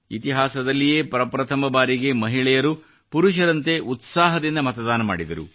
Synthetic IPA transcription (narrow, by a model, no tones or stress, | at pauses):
it̪iɦaːsɐd̪ɐlːijeːpɐɾɐpɾɐt̪ʰɐmɐbaːɾiɡe̞mɐɦiɭɛjɐɾu | puɾuʃ̬ɐɾɐnt̪e̞ʔut̪saːɦɐd̪inːɐmɐt̪ɐd̪aːnɐma̰ːɽid̪ɐɾṵ